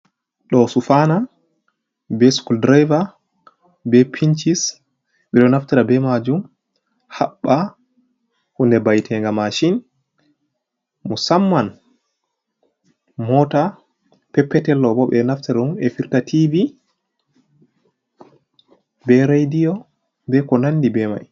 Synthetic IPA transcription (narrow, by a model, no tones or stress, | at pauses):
ɗɔsufana | bɛskuldɾajva | bɛpʰint͡ʃis | ɓɛɗɔnaftɛɾabɛmad͡ʒum | haɓːa | hundɛbajtʰɛŋɡamaʃin | musamːan | mɔta | pɛpːɛtɛlːɔbɔɓɛnaftɛɾaumɛfiɾtatʰivi | bɛɾajdijɔ | bɛkɔnanːdibɛma̰j